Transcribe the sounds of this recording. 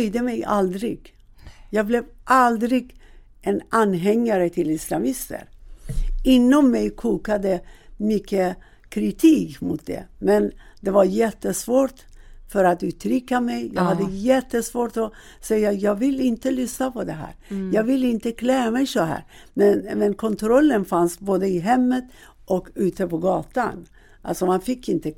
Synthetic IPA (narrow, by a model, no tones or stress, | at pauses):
jd̪əmɛja̰ld̪ɾɪ̰ɡ | jɑːɡ̚blɛvʔald̪ɾɪɡ | ʔɛnʔanɦɛŋːaɾət̪ʰɪlɪslamɪst̪ʰə̰ɾ | ɪnːɔmːɛjkʰuːkad̪əmʏkʰːə | kʰɾɪt̪ʰiːkmʊt̪̚d̪ɛ̰mɛnd̪ɛvaɾjɛt̪ːəsvoːʈ | fœɾat̪ʉ̟ːt̪ʰɾʏkːamɛjjɑ̰ːɡhad̪ːəjɛt̪ːəsvoːʈɔ | sɛjːajɑːɡvɪlːɪnt̪əlʏsnapʰɔd̪ɛɦæ̰ːɾjɑːɡvɪlːɪnt̪əkʰlɛːamɛjsɔɦæ̰ːɾmɛnmɛnkʰɔnt̪ʰɾɔlːənfansboːd̪əɪɦɛmːət̪ | ʔɔkʉ̟ːt̪əpɔɡɑːt̪a̰n | ʔa̰lsɔmanfɪkːɪnt̪ə